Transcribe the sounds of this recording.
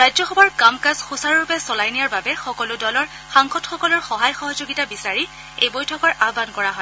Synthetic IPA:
ɹajzɔxɔbɔɹkamkazxusaɹɹupɛsɔlajnijaɹbabɛxɔkɔlʊdɔlɔɹ | xaŋxɔtxɔkɔlɔɹxɔɦajxɔɦɔzoɡitabisaɹi | ejbojtʰɔkɔɹʔabankɔɹaɦɔj

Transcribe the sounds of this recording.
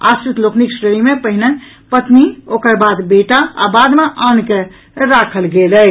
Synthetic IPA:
a̰sɾit̪lokʰniksɾeɾimepəɦine | pət̪niokəɾbad̪beʈaa̰bad̪meʔanke | ɾakʰəlɡelɛ

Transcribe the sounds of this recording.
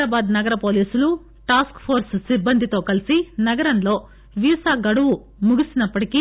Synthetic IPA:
aːbaːd̪nɐɡɐɾɐpo̞ːliːsulu | ʈaːskpʰoːɾssibːɐnd̪ʱit̪o̞ːkɐlisinɐɡɐɾɐnlo̞ː | ʋiːsaːɡɐɽuʋu | muɡisinɐpːɐʈiki

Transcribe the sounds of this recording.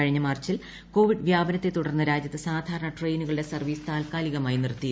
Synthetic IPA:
ɐɻiɲːɐmaːrt͡ɕil | ko̞ːʋiɖʋjaːbɐnɐt̪ːe̞t̪ːuɽɐrnːɐɾaːd͡ʑjɐt̪ːɨsaːd̪ʱaːɾɐɳɐʈre̞jnuɣɐɭɨɽe̞sɐrʋiːst̪aːlkaːliɣɐmaːjinirt̪ːij

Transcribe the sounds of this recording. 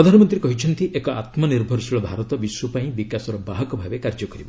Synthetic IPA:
ɾɔd̪ʱanɔmɔnt̪ɾiekɔɦit͡ʃʰɔnt̪iʔekɔat̪mɔniɾbʱɔɾɔsiɭɔbʱaɾɔt̪ɔbiswɔpaĩbikasɔɾɔbaɦɔkɔbʱabekaɾd͡ʒɔkɔɾibɔ

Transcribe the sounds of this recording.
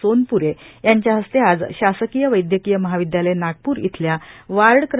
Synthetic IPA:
onpuɾejaɲt͡ɕjaɦəst̪ead͡zɕasəkijəʋəjd̪jəkijəməɦaʋid̪jalenaɡ̚puːɾjḭt̪ʰljaʋaɭɽkɾ

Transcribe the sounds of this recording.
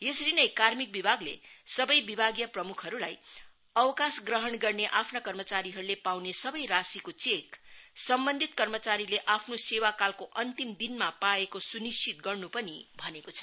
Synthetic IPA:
jesɾinʌjkarmik̚bibʱaɡlḛsʌbʌjbibʱaɡjʌprʌmukʰɦʌɾulaj | ʌwkasɡrʌɦʌɳɡʌrneʔapʰnakʌrmʌt͡saɾiɦʌɾulepawnesʌbʌjɾasikot͡seksʌmbʌnd̪ʱit̪kʌrmʌt͡saɾileʔapʰnosewakalkoʔʌnt̪imd̪inmapaekosunist͡ʃʰit̪̚ɡʌrnupʌnibʱʌnekot͡sʰʌ̥

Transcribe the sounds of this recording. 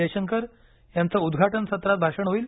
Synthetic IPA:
eɕəŋkəɾ | jant͡saud̪ɡʱaʈənsət̪ɾat̪̚bʱaʂəɳɦoiːl

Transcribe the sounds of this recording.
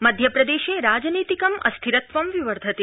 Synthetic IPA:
məd̪ʱjəpɾəd̪eʃeɾad͡ʒnit̪ikəmə̰st̪ʰiɾət̪ʋəmʋiʋəɾd̪ʱət̪e

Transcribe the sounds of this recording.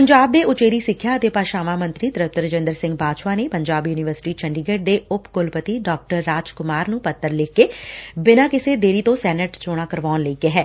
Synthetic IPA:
pəɲd͡ʒaːb̚d̪eːʔʊt͡ʃeːɾiːsɪkʰːjaːət̪eːpaːʃaːʋãːmənt̪ɾiːt̪əɾəp̚t̪əɾəd͡ʒɪ̃nd̪əɾsɪ̃ŋɡ̚baːt͡ʃʋaːneːpəɲd͡ʒaːbjuːnɪʋəɾsɪ̥ʈiːt͡ʃəɳɖɪɡeːʈ̚d̪eːʊpkʊlpət̪iːɖɔːk̚ʈəɾːaːd͡ʒkʊmaːɾnũːpət̪ːəɾlɪkːeːbɪnãːkɪseːd̪eːɾiːt̪õsɛːnəʈt͡ʃoːɽ̃ãːkəɾʋɔːnləiːkeːɦɛː

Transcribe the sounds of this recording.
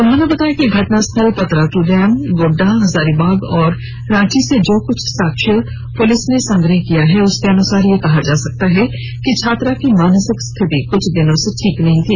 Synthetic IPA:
ʊnɦõnebɐt̪aːjakiɡʱɐʈnast̪ʰəlpɐt̪ɾat̪ɾuːdɛːmɡoːɖaɦɐzaːɾibaːɡɔːɾː | ãːt͡ʃised͡ʒoːkʊt͡ʃʰsaːkʃəɾ | pʊlɪsnesɐ̃ŋɡɾəɦkijaɦɛʊskeɐnʊsaːɾjekɐɦad͡ʒaːsɐk̚t̪aɦɛ | kit͡ʃʰaːt̪ɾakimaːnəsɪkst̪ʰɪt̪ikʊt͡ʃʰd̪ɪnõseʈʰiːknɐɦĩt̪ʰiː

